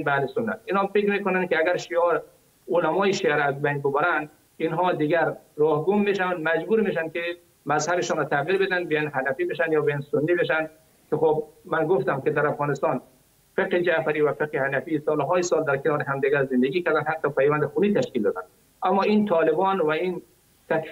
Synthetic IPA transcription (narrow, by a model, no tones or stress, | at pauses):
bæhlesʊnːat̪inhɒfekɾmeːkonan̚keaɡæɾʃiɒɾ | olamɔːjeʃiaɾazbajnbobaɾænd̪ | inɦɔːd̪iɡæɾ | ɾɔːhɡumːeʃ̬aand̪mæd͡ʒbuːɾmeʃand̪̚ke | mæzhabeʃɔːnɾɔːt̪ʰæɣiɾbed̪ænd̪bijanɦanæfiːbeʃand̪jɒːbejansʊnːibeʃ̬ænd̪ | kʰexobmanɡoft̪amked̪æɾafɣɔːnɪst̪ɔn | feqhid͡ʒafaɾiːvafeqhihanafiːsɔːlɦɔːjisɒːld̪æɾkʰenɒːɾeɦamd̪iɡaɾzɪnd̪eɡiːkaɾd̪anhat̪ɔpʰajvænd̪ɪxuniːt̪ʰaʃkild̪ɔːd̪an | ʔamːɔːint̪ʰɔːlebɔːnvain | t̪ʰak